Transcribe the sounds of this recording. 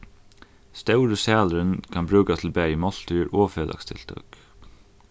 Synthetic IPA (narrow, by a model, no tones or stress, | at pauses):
st̪œʊɹəsæːləɾənkʰɑnbɹʉːkat̪ʰɪlbæːjəmɔlt̪ʰʏːɾʔoːfeːlʔɑ̰kst̪ʰɪ̰lt̪ʰɑ̰ːk